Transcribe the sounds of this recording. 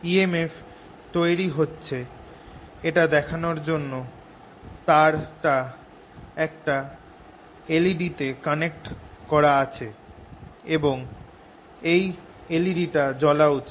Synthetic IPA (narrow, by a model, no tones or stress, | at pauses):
iemef | t̪oeɾiɦotːɕʰe | eʈad̪ɛkʰanoɾd͡ʑonːo | t̪aɾʈa | ɛk̚ʈa | eliɖit̪ekanek̚ʈkɔɾaat͡ɕʰe | eboŋ | ej | eliɖiʈad͡ʑɔlau